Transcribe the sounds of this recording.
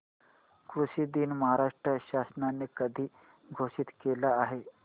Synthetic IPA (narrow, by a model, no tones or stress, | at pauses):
kɾuɕiːd̪iːnməɦaɾaʂʈɾəɕasnanːekəd̪ʱiː | ɡʱoɕiːt̪kelaːɦe